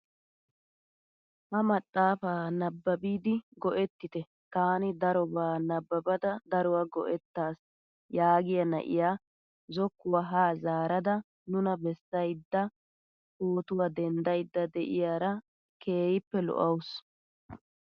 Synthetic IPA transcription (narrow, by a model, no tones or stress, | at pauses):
hɐmɐt̪ʼːaːfaːnɐbːɐbiːd̪ɪɡɔʔɛt̪ːɪt̪ɛ | t̪aːnɪd̪ɐɾɔbaːnɐbːɐbɐd̪ɐd̪ɐɾɔwaɡɔ̰ʔɛt̪ːaːs | jaːɡɪjɐnɐ̰ʔɪ̰jaː | zɔkːʊwaːɦaːzaːɾɐd̪ɐ | nʊnɐbɛsːɐjd̪ːɐ | hoːt̪ʊwad̪ɛnd̪ɐjd̪ːɐd̪ɛʔɪjaːɾɐ | kʰe̞ːjɪpːɛlɔ̰ʔɐwʊs